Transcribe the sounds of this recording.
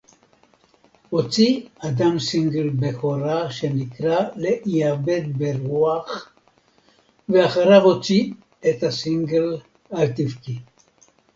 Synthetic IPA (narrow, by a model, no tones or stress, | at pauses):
ʁot͡siad̪amsiŋɡelbexoɾaʃenikɾaleʔiabet̪̚beɾuaχ | veaχaɾaʁot͡si | et̪asiŋɡel | aɾt̪ifki